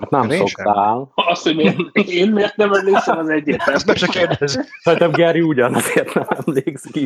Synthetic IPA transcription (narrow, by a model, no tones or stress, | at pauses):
hat̪nɛmsokt̪aːlɒsoeeːnmeːrt̪̚nɛmɛmleːksɛkɒzɛɟːert̪ɛmɛt͡ʃɛkeːrd̪ɛzsɔt̪ɛbɡɛɾiuɟɒnɒzeːrt̪nɛmɛmleːkski